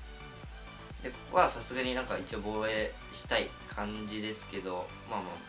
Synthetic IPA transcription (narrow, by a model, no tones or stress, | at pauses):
d̪ekβasasɨɡaɲ̟inãŋkait͡ɕio̞bo̞ːe̞ | ɕi̥t̪aikʰãɲd͡ʑid̪e̞sɨ̥ke̞d̪o̞ | maːma̰ː